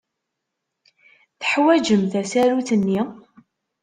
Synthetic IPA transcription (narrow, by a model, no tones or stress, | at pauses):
θə̥ħwæd͡ʒəmθæsæɾuθənːi